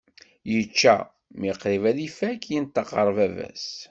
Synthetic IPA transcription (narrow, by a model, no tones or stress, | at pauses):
jət͡ʃːæ̰ | miqɾivælifækːjint̪ːɑqəɾˤvævæ̰s